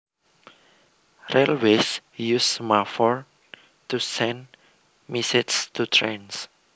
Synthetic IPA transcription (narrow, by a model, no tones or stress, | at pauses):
relwesjusmafɔɹ | tusɛ̃n | misɪtst̪utʰɹẽns